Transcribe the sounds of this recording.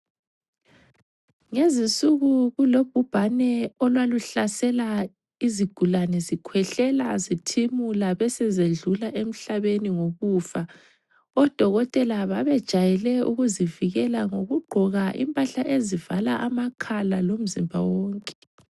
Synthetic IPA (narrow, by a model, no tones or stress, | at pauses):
ŋezinsʼuɣuɣulob̥̚ʱub̥ʱanɛɔlwaluɬasɛla | iziɡ̥ʱulanɛzikʰwɛɬɛlazitʰimulaβɛsɛzeɮulaʔem̩ɬaβeniŋoɣufa | ɔd̥ʱɔɣɔtʼɛlaβaβɛd̥ʒ̥ʱajɛlɛṵɣuziviɣɛlaŋoɣuɡ͡ǃʱɔɣaʔḭmpʼaɬaʔezivalaʔamakʰalalom̩zimbʱa̰woːŋkʼɛ̥